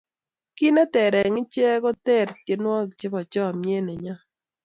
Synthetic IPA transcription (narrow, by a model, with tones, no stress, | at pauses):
ki˦nɛ˦t̪ɛ˨ɾɛ˨ŋɪ˦t͡ʃɛ˦ɡɔ˦t̪ɛ˦˨ɾt͡ʃe˨nwɔ˦k̚t͡ʃe˦bɔ˨t͡ʃɔ˦˨mje˦ne˨ɲa˦